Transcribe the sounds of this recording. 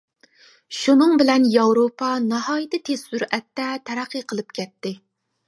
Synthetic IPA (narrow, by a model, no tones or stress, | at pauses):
ʃunɨŋbɪlɛnjɑwɾopʰɑnɑhɑːjit̪ɨt̪ʰezsuɾɛt̪ːɛt̪ʰɛɾæqʰːɨqʰəlˠɨp̚kʲɛt̪ːɪ